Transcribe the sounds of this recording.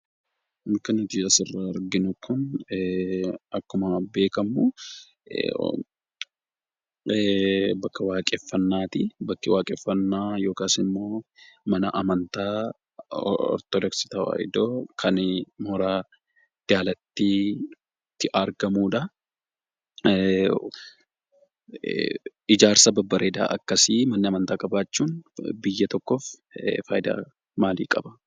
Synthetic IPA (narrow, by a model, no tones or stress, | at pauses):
nkːɐnt̪iːɐsɪrːɐɐɾɡɪnʊkʰʊn | ɐkːʊmɐbe̞ːkɐmṵ | bɐkːɐwaːkʼɛfːɐnːaːt̪ɪbɐkːɪwaːkʼɛfːɐnːaːjo̞ːkaːsɪmːoːmɐnɐʔɐmɐnt̪aː | ɔ̰ɾt̪ɔdɛksɪ̥t̪ɐwa̰ɪ̰d̪oːkʰɐnmɔɾaː | d̪̥aːlɐt̪ːi | t̪ːɪʔɐɾɡɐmuːᶑɐ | ɪd͡ʒaːɾsɐbɐbːɐɾeːd̪a̰ːʔɐkːɐsimɐnːɪɐmɐnt̪aːkʼɐbaːt͡ʃːuːnbɪjːɐt̪ɔkːoːf | fa̰ːjɪd̪a̰ː | maːlḭːkʼɐbɐ̥